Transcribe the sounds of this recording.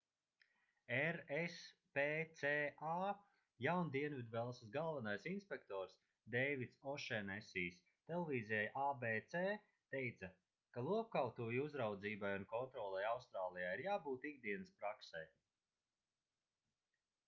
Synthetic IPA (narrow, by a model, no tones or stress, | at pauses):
ɛɾespeːt̪seːaː | jawnd̪iɛnvid̪vɛlˠssɡalˠvanajsinspekt̪ɔːɾs | d̪ɛjvit̪sɔʃɛnɛsiːs | t̪ɛlˠevʲiːzijajʔabeːt̪seː | t̪ɛjt̪sɐ | kalˠuɔp̚kawt̪uːjuzɾawd̪ziːbajunkɔnt̪ɾɔːlˠɛjawst̪ɾaːlˠijaːiɾjaːbuːt̪iɡd̪iɛnɨspɾaksɛj